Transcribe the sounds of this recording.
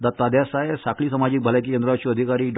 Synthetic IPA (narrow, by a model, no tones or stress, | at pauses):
d̪at̪ːad̪jasaesakɭiːsəmad͡ʑik̚bʱəlak̬ikẽnd̪ɾat͡ɕiəd̪ʱikaɾiːɖ